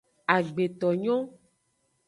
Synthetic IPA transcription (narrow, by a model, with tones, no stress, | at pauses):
a˨ɡ͡be˨t̪ɔ˨ɲɔ̃˦